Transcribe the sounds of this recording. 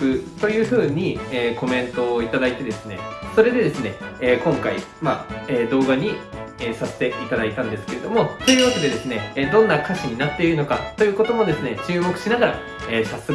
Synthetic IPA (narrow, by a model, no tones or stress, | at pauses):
ɯt̪o̞jɯ̟ːɸɯ̟ːɲ̟ieːko̞mẽ̞nt̪o̞ːit̪ad̪ait̪e̞d̪e̞sɨne̞̰so̞ɾe̞d̪e̞d̪e̞sɨne̞ːkõ̞ŋkaḭ | maeːd̪o̞ːɡaɲ̟ieːsase̥t̪e̞ʔit̪ad̪ait̪ãnd̪e̞sɨ̥ke̞ɾe̞d̪o̞mo̞t̪o̞jɯ̟βat̪ed̪e̞d̪e̞sɨne̞ːd̪õ̞nːakaɕiɲ̟inat̪ːe̞iɾɯ̟no̞ka̰t̪ːo̞jɯ̟ːko̞t̪o̞mo̞d̪e̞sɨne̞t͡ɕɨːmo̞kɯ̟̥ɕinaɡaɾa̰ | eːsasɨ